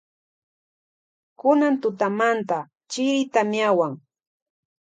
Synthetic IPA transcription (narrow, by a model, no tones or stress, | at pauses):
kʊnant̪ʊt̪amant̪a | t͡ʃɪɾɪt̪amjawaŋ